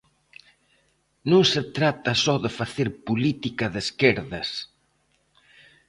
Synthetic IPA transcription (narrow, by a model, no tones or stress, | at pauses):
nũŋset̪ɾat̪ɐsɔðɪfaθeɾpulit̪ikɐðeskeɾðɐs